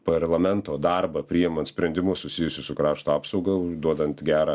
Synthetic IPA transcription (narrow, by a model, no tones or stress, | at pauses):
pɐrlˠɐmʲɛnt̪oːd̪ɐɾbɐpʲɾʲiːjɪmɐnt̪sʲpʲɾʲɛnd̪ʲɪmʊsʊsʲɪjʊsʲʊsʊkɾɑːʃt̪oɑːpsɐʊɡɐʊd̪uɔd̪ɐnt̪ɡʲæːɾɐː